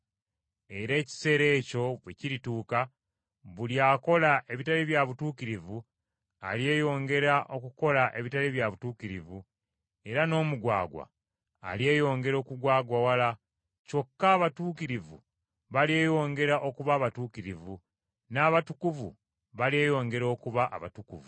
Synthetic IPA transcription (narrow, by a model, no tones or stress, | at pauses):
e̞ɾe̞ːci̥se̞ːɾe̞ːco̞βwḛciɾituːka | βuljaːko̞laʔe̞βitaliβjaβutuːkiɾivu | a̰lje̞ːjo̞ːŋɡe̞ɾaʔo̞kuko̞laʔe̞βitaliβjaβutuːkiɾḭvu | e̞ɾano̞ːmuɡwa̰ːɡwa̰ː | lje̞ːjo̞ːŋɡe̞ɾo̞ːkuɡwaːɡwawala | co̞kːaːβatuːkiɾivṵ | βalje̞ːjo̞ːŋɡe̞ɾaʔo̞kuβaːβatuːkiɾivu | naːβatukuvṵ | βalie̞ːjo̞ːŋɡe̞ɾo̞ːkuβaʔa̰βa̰tukuvu